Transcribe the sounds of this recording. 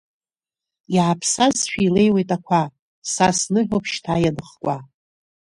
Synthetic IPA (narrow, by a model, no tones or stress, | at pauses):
iʕapʰsazʃᶣiile̞jwejtʼakʷʰa | sasnɨħʷopʰʃtʰajanɨχkʷʼa